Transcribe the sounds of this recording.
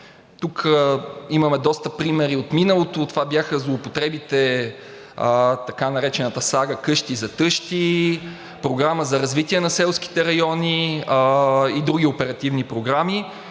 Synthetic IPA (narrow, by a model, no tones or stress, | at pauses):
t̪ukʰəimɐmɛd̪ɔst̪əpɾimɛɾiot̪minəlˠot̪ot̪ovabjaxəzlˠoːpot̪ɾɛbit̪ɛ | t̪ɐkanɐɾɛt͡ʃɛnɐt̪əsaɡəkɤʃt̪izɐt̪ɤʃt̪i | pɾoɡɾaməzɐɾɐzvit̪iɛnɐsɛlˠsk̟i̥t̪ɛɾɐjɔni | id̪ɾuɡʲiopɛɾɐt̪ivnipɾoɡɾami